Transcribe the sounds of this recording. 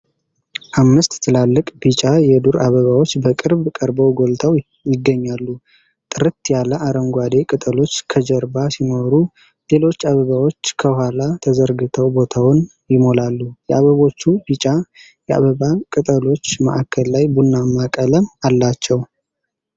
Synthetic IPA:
ʔamːɨst̪ːʰɨlalːɨkʼb̥it͡ʃʼajɛd̪uɾʔaβəβawo̞t͡ʃːbəkʼɨɾbkʼəɾbəwɡo̞lt̪ʰaw | jɪɡːəɲːalːu | t̪ʼɨɾɨt̪jaləʔaɾəmɡʷwad̪e̞kʼɨt̪ʼəlo̞t͡ʃːkʰəd͡ʒəɾbasino̞ɾu | le̞lo̞t͡ʃːaβəβawot͡ʃːkʰəhwalat̪ʰəzəɾɡɨt̪ʰəwbo̞t̪ʰawn | jɪmo̞lalːujɛaβəβot͡ʃːubit͡ʃʼa | jɛʔa̰βəβakʼɨt̪ʼəlo̞t͡ʃːmə̰ʔakʰːəllajbunːamakʼələmalːat͡ʃːɛw

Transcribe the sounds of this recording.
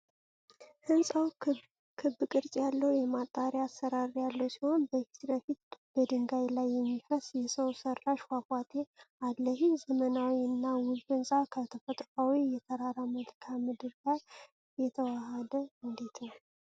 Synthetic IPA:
hɨnsʼaw | kʰɨbːɨkʼɨɾt͡ʃʼjalːəhjɛmat̪ʼːaɾjaasːəɾaɾjalːəwsiho̞nbəfi̥t̪bəfit̪̚b̥əd̪ɨŋɡajlajːɛmːifəsjɛsəwsərːaʃwakʷʼat̪ʰealːəhzəmənawiɨnːawʊzfɨnsʼawkʰət̪ʰəfət̪ʼkʼawijɛt̪ʰəɾaɾamət̪kʰamɨd̪ɨɾlaj | jɛt̪ʰəwahəd̪əɨnd̪e̞t̪nəw

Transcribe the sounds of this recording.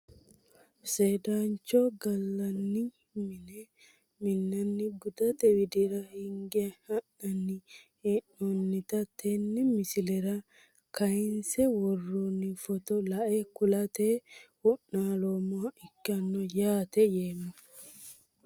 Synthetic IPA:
seːd̪aːnt͡ʃːɔɡɐlːɐnːɪ | mnɛ | mɪnːɐnːɪɡʊd̪ɐt̪ɛwɪd̪ɪɾɐhɪŋɡɪɐhɐʔɐnːɪ | ɛnɔnːɪt̪ɐt̪ʰːɛnːɪmɪsɪlɛɾɐ | kɐjɪnsɛwɔrːunːɪfɔt̪ɔlɐʔekʊlɐt̪eːwɔnːaːlomɔɐɪkːɐnːɔjaːt̪ɛjeːmɔ

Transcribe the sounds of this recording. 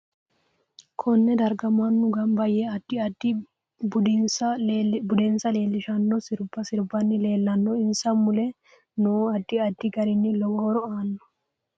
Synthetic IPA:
kʰɔnːɛd̪ɐɾɡɐmɐnːʊɡɐmbɐjɛɐd̪ːɪɐd̪ːɪ | bʊɪnsɐbʊd̪ɛnsɐle̞ːlːɪʃɐnːɔsɪɾbːɐsɪɾbɐnːɪle̞ːlːɐnːɔɪnsɐmmʊlɛ | nuːɐd̪ːɪɐd̪ːɪɡɐɾɪnːɪlɔɡɔɔɾɔaːnːɔ̥

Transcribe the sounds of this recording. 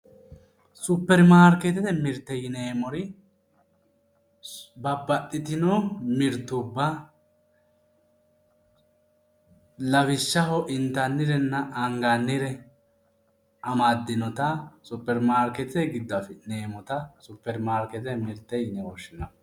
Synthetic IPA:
sʊpːɛɾmaːɾkɛt̪ɛt̪ɛmɪɾt̪ːɛjɪneːmɔɾɪ | bɐbːɐtːɪt̪ɪnɔmɪɾt̪ːʊbːɐ | lɐβɪʃːɐhɔʔɪnt̪ɐnːɪɾɛnːɐʔɐŋɡɐnːɪɾɛ | ʔɐmɐd̪ːɪnɔt̪ɐsʊpːɛɾmaːɾkɛt̪ɪt̪ɛɡɪd̪ːɐfɛneːmɔt̪ɐsʊpːɛɾmaːɾkɛt̪ɛɛmɪɾt̪ːɛjnɛwɔʃːɪnɐ

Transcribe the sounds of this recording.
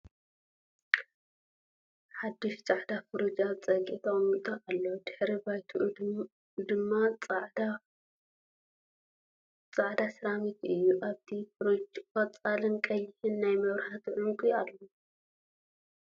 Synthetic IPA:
ħad̪ːɨʃt͡sʼaʕd̪afɨɾud͡ʒat͡sʼɐkʼit̪ʰamut̪ʼaʔalːod̪̥ɨħɾibajt̪ʰuʔ | d̪ɨmːaʕda | t͡sʼaʕd̪asɨɾamit̪ɨjːuʔaβt̪ʰifɾud͡ʒkɐt͡sʼalɨnkʼɐjːɪhɨnːajmɐβɾaħat̪ʰʕʊŋkʼialːo

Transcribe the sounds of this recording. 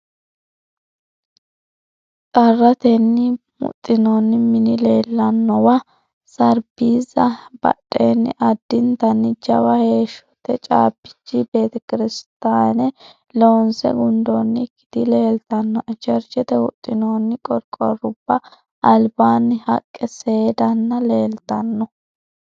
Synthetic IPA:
tʼɐrːɐt̪ɛnːɪmʊ̰t̪ʼːɪnoːnːɪmɪnɪleːlːɐnːɔwɐ | sɐɾbiːzɐbɐ̰ɗʼːenːɪ̰ʔɐd̪ːɪnt̪ɐnːɪd͡ʒɐwɐhe̞ːʃɔ̥t̪ɛt͡ʃʼa̰ːbɪ̥t͡ʃːɪbe̞ːt̪ɛkɪɾɪst̪aːnɛ | lo̞ːnsɛ̰ɡʊnd̪onːɪkːɪ̥d̪ɪle̞ːlt̪ɐnːɔʔt͡ʃɛɾd͡ʒɛt̪ɛwʊt̪ʼːɪnoːnːɪkʼɔɾkʼːɔ̰rʊb̥ːɐ | ʔɐlbaːnːɪhɐkʼːɛsed̪ɐnːɐle̞ːlt̪ɐnːɔ

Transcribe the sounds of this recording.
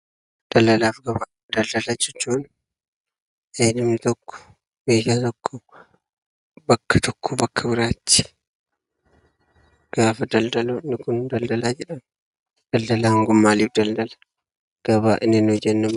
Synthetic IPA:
d̪̥ɐlɐlaːfɡɐba | d̪ɐld̪ɐlad͡ʒɛt͡ʃːuːn | eːnɪmɪt̪ɔkːɔ̥ | beːjaːt̪ɔkːɔ | bɐkːɐt̪ɔkːɔbɐkʰːɐbɪɾaːt͡ʃːɪ̥ | ɡ̥aːfɐd̪ɐld̪ɐlonːɪkʊnd̪ɐld̪ɐlaːd͡ʒɛᶑɐn | d̪̥ɐld̪ɐlaːŋɡʊmːaːliːfd̪ɐld̪ɐlɐ̥ | ɡ̥ɐβaːʔɪnːɪnd͡ʒɛnːɐm

